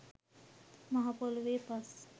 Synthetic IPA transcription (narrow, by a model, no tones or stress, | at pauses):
maɦapoluʋeːpas